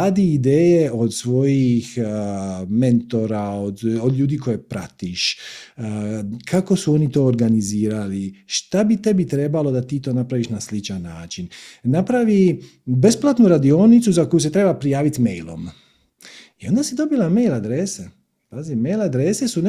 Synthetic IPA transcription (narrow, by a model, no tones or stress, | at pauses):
aːd̪iːd̪eːjeʔo̞d̪sʋo̞jix | me̞nt̪o̞ɾaod̪od̪ʎʲuːd̪iːkojepɾa̰t̪iʃ | kʰako̞suo̞nit̪o̞ːɾɡaniziːɾaliʃt̪abit̪e̞bit̪ɾe̞balo̞d̪at̪iːt̪o̞ːnapɾaʋiːʃnaslit͡ʃanːa̰ːt͡ʃinnapɾaʋi | be̞splat̪nuɾad̪io̞nit̪suzakjuse̞t̪ɾe̞bapɾijaːʋit̪mḛjlo̞̰m | io̞nd̪asid̪o̞bilˠame̞jlˠad̪ɾese | pazimmejlad̪ɾe̞se̞sun